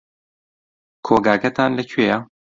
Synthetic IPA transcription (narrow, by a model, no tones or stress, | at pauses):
kʰoːɡaːkɛt̪ʰaːnlɛcʰɥeːja